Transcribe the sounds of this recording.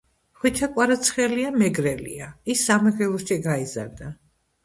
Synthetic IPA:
χwit̪ʰakʼwaɾat̪sʰχɛliamɛɡɾɛlḭaisːamɛɡɛlˠɔʃiɡaiza̰ɾd̪a

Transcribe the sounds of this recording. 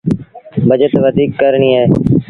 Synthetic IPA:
bəd͡ʒət̪ʋəd̪ʱiːkːəɾɳiːɦeː

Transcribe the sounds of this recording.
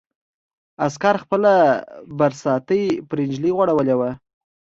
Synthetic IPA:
askɑɾxpəlabaɾsɑt̪əjpɾɪnd͡ʒliɣwaɽawəlewa

